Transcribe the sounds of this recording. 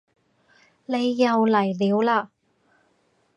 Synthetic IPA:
le˨˧jːɐ˨˧wlɐ˨˩jliː˨˧wlaː˧

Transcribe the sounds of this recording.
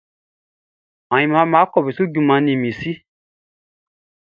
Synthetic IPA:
ã˨ĩ˧mã˨˧˦mãː˨˦kɔ˦˨bi˨su˦ɟu˨mã˧nĩ˨mĩ˨si˦

